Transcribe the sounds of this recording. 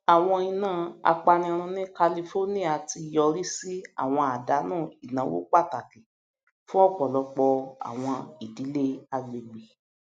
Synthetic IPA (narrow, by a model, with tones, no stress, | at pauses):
a˨w̃ɔ̃˧i˧nãː˨˦˨a̰˧k͡pa˧nĩ˧ɾ̃ũ˧nĩ˦ka˧li˧fo˦nĩ˦a˨ti˧jɔ˧ɾi˦si˦a̰˦˨w̃ɔ̃˧a˨da˨˦nũː˦˨i˨nã˨˦wo̰˦k͡pa˦˨ta˨ki˨ | fũ˦ɔ˦˨k͡pɔ˨lɔ˨˧k͡pɔ˧a̰˨w̃ɔ̃˧i˨di˨˦le˦a˧le˨ɡ͡bi˨